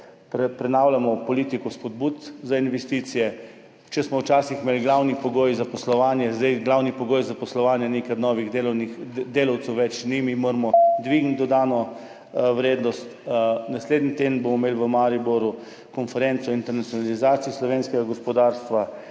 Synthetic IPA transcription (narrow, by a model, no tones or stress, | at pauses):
pɾɛpɾɛnaːwlʲamɔpɔliːt̪ikɔspɔd̪̚but̪zainʋɛst̪iːt̪sijɛ | t͡ʃɛsmɔwt͡ʃaːsixmeːlɡlawnipɔɡoːjzapɔslɔʋaːnjɛzd̪ajɡlawnipɔɡoːjzapɔslɔʋaːnjɛnekanɔːʋiɣd̪elnid̪eːlɐwt̪sɛwʋɛt͡ʃnimimoɾmɔd̪ʋiɡnt̪d̪ɔd̪aːnɔ | wɾeːd̪nɔst̪nasleːd̪nit̪ed̪nbomɔmeːlʋəmaɾiboɾu | kɔnfɛɾent̪sɔint̪ɛɾnat̪sjɔnalizaːt̪sijislɔʋeːnskɛɡaɡɔspɔd̪aːɾst̪ʋa